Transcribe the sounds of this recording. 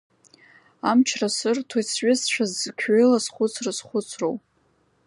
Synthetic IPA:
amt͡ʃʰrasɨrtʰojt͡sʰɥʷʼɪsʃʷʰᶣazkʲʰɪlasχʷʊt͡sʰrasχʷʊt͡sʰro̰w

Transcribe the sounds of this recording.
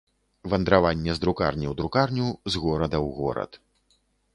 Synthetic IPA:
vɐnd̪ɾavanʲːɛzd̪ɾuka̰rnʲiwd̪ɾukarnʲuzɣɔɾɐd̪ɐwɣɔ̰ɾɐ̰t̪

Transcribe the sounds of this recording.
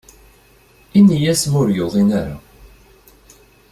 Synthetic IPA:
inːijæsmʊɾjoðˤinaɾa̰

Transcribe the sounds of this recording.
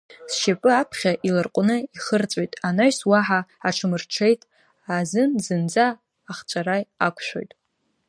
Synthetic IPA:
sʃapʼɨapʰχʲaʔilɨrqʷʼʊnɨiχərt͡sʼojtʼanaɥswaħaaʈ͡ʂʰɨmɨrʈ͡ʂʰe̞jtʼ | azɨnzɨnd͡zaː | χt͡ʃʷʼarajakʷʰʃʷᶣo̞̰jtʼ

